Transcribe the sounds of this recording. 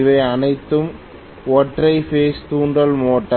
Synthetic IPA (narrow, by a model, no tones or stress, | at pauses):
ʋɐɪɐnɐɪt̪ːɯm | ɔʈrɐɪfeːst̪uːɳɖɐlmoːʈːɐ